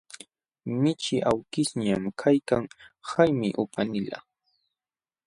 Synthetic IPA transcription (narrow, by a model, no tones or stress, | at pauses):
mɪt͡ʃɪʔawkɪsɲamkʰajkaŋhajmɪʔʊpanɪla̰